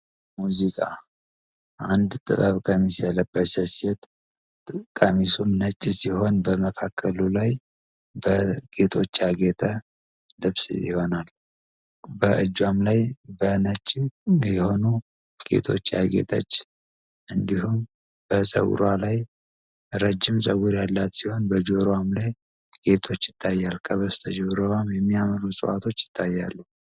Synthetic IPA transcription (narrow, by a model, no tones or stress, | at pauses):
muzikʼa̰ | ʔand̪t̪ʼɨ̰βəβkʰʼəmːisjaləbːətsəset̪ʼ | kʼːəmisumnət͡ʃʼːisiho̞nbəməkʰakʰːəlulaj | bəɡ̥e̞t̪ʰo̞t͡ʃːjaɡet̪ʼʰə | lɨβsjɪ̰ho̞nal | bəʔɨd͡ʒːwamlajbənət͡ʃʼːjɛho̞nu | ɡ̥e̞̰t̪ʰo̞t͡ʃːja̰ɡḛt̪ʼʰə̰t͡ʃː | ʔɨnd̪ihum | b̥əsə̰w̰ɾalaj | ɾəd͡ʒːɪmsʼəwʊɾjalːat̪siho̞nbəd͡ʒoɾwamlaj | ɡ̥e̞t̪ʰo̞t͡ʃːjɪt̪ʰːajːalkʰəβəst̪ʰəd͡ʒɛβɾowamjɛmːijaməɾusʼɨ̰wʔa̰t̪ʰo̞t͡ʃːjɪ̥t̪ʰːajːa̰lːu